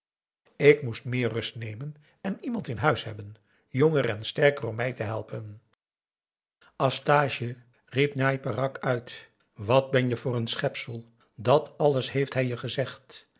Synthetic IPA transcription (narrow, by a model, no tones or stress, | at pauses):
ɪkmustmɪːɹrɵstnejmən | ɛnimɑntɪnɦœɥsɦɛbən | joŋərɛnstɛɹkərɔmːɛjtəɦɛlˠpən | ɑstaːʃə | ripnajpərɑkʰœɥt | ʋɑd̚bɛnjəvʊːrənsχɛpsəlˠ | dɑtʰɑləsɦejftɦɛjəχəzɛχt